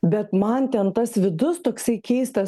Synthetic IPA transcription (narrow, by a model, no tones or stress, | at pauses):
bʲɛt̪mɐnt̪ʲɛnt̪ɐsʋʲɪd̪ʊst̪oːksɐɪkʲɛɪst̪ɐs